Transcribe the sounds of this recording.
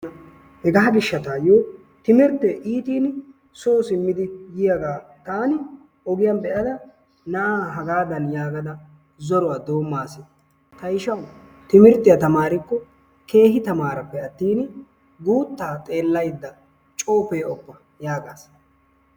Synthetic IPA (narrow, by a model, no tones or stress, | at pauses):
ɐ | hɛɡɐɐɡɪʃːɐt̪aːjoː | t̪ɪmɪɾt̪ːeʔiːt̪iːn | soːsɪmːɪd̪ɪjɪjɐɡaːt̪aːnɪ | ɔɡɪjɐnbɛʔɐd̪ɐ | nɐʔaːɦɐɡaːd̪ɐnjaːɡɐd̪ɐ | zɔɾɔwaːd̪o̞ːmːaːsɪ | t̪ɐɪʃɐw | t̪ɪmɪɾt̪ːɪjɐt̪ɐmaːɾɪkːɔ | kʰe̞ːɦɪt̪ɐmaːɾɐpːɛɐt̪ːiːnɪ | ɡuːt̪ːaːt̪ʼe̞ːlːɐjd̪ːɐ | t͡ʃʼo̞ːpeːɔbːɐ | jaːɡaːs